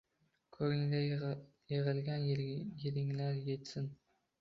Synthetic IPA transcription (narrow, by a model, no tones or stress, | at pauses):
kʰɵɡʲɪŋɡʲa | jeʁɪlɡʲanjeɾɪŋlaɾjet̪sɪn